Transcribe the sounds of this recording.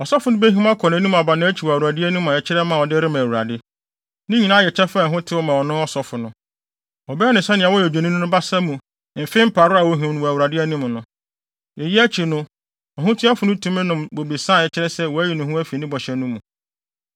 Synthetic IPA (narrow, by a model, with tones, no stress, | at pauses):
ɔ˨sɔ˦fʊ˨nʊ̃˦be˦ɦĩ˦m˦a˦kʰɔ˨ñ˨˦nũ˦m̃˨a˨ba˨nã˦æ˦t͡ɕʰi˨wɔ˨wu˨ɾa˨dɪ˦æ˦nũ˦ã˨ɛ˨t͡ɕʰɪ˦ɾɛ˦mã˨ɔ˨dɪ˦ɾɪ˦mã˨wu˨ɾa̰˨dɪ˦ | nɪ̃˦ɲĩ˨nã˦jɛ˨t͡ɕʰɛ˦fa˦˨ɦʊ̃˦tʰɪ˦wɔ˦mã˨wɔ˨nʊ̃˦ɔ˦sɔ˨fʊ˨nʊ̃˦ | ɔ˨bɛ˦ɛ˦nʊ̃˨sɛ˦nɪ̃˨a˨wɔ˦ɛ˨d͡ʑᶣe˨nĩ˦nʊ̃˦nʊ̃˦ba˦sa˦mũ˨˦ | m̩˨fe˦m̩˦pʰa˨ɾʊ˦a˨wo˦ɦĩ˨nʊ̃˨wæ˨wu˨ɾa˨dɪ˦æ˦nũ˦m˨nʊ̃˦ | ɛ˨ji˦æ˦t͡ɕʰi˨nʊ̃˦˨ | ɦʊ̃˦tʰɪ˦a˦fʊ˨nʊ̃˦tʰũ˦mɪ̃˦nʊ̃˨mbo˨bi˨sã˦˨ɛ˨t͡ɕʰɪ˦ɾɛ˦sɛ˦˨wɔ˨æ˦jɛ˨nʊ̃˨hũ˦æ˦fi˨nɪ̃˦bɔ˨ɕɛ˨nʊ̃˦mũ˨